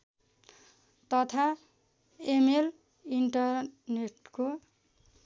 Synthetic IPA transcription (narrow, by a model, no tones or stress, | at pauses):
t̪ʌt̪ʰa | emel | iɳʈʌrneʈko